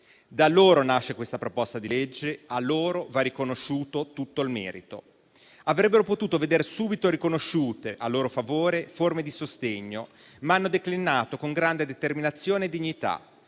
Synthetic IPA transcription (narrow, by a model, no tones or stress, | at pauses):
d̪alːoːɾonaʃːekwest̪apɾopɔst̪ad̪iled͡ʒːealːoːɾovarːikonoʃːuːt̪ot̪ut̪ːoilmɛ̰ːɾit̪o̰ | avɾɛbːeɾopot̪uːt̪oved̪ersuːbit̪oɾikonoʃːuːt̪eʔalːoːɾofavoːɾeformed̪isost̪eɲːo | maanːod̪eklinaːt̪okoŋɡɾand̪ed̪et̪erminat̪sːjoːneːd̪ːiɲːit̪a̰